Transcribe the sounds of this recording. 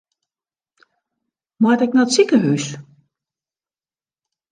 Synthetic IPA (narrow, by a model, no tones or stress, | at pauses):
matɛk̚nɔtsikəɦys